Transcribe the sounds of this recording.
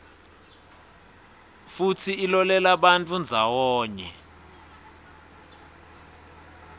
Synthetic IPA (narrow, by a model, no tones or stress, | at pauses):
futʰiːlɔlɛlaɓantʰʼund͡zʱawɔːɲɛ̰